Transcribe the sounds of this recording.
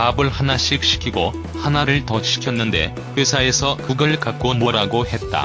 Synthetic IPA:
pabɯɭhanaɕ͈ik̚ɕ͈ʰi̥kʰiɡo | hanaɾɯɭtʌɕʰi̥kʰjʌnːɯnde̞̰ | ɸesʰae̞sʰʌkɯɡɯɭkak͈omoɾaɡohe̞t̚t͈a̰

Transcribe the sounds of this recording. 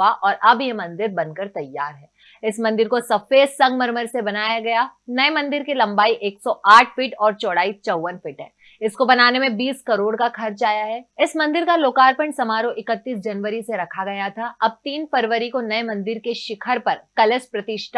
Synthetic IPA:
aʔɔːɾʔɐbjemɐ̃nd̪ɪɾbɐ̃nkəɾt̪ɐjːaːɾɦɛː | ɪsmɐ̃nd̪ɪɾkosɐfeːsɐ̃ŋɡmɐɾməɾsebɐnaːjaɡɐjanɐemɐ̃nd̪ɪɾkelɐ̃mbaːiʔeːksɔʔaːʈʰfɪʈɔːɾt͡ʃɔːɽaːit͡ʃɐwːənfɪʈɦɛ̰̃ː | ɪskobɐnaːnemẽbiːskɐɾoːɽkakʰɐɾt͡ʃaːjaɦɛːɪsmɐ̃nd̪ɪɾkaloːkaːɾpə̃ɳɖsɐmaːɾõʔɪkət̪ːiːsd͡ʒɐnʋəɾiseɾɐkʰaɡɐjat̪ʰaʔɐb̚t̪iːnfɐɾʋəɾikonɐemɐ̃nd̪ɪɾkeʃɪkʰəɾpɐɾkɐləspɾɐt̪ɪʃʈʰa

